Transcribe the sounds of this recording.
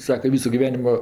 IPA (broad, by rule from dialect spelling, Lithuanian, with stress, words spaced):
ˈsɑːkɐ ˈʋʲiːsʊ ɡʲɪˈʋʲæːnʲɪmoː